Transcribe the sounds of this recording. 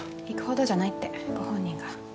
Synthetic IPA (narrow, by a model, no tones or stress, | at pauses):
ikɯ̟̥ho̞d̪o̞ʑanait̪ːe̞ɡ̥o̞hõ̞ɲ̟ːĩŋɡa